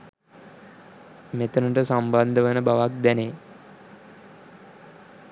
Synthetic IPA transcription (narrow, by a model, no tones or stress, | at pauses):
met̪ənəʈəsamband̪əʋənəbaʋak̚d̪ɛne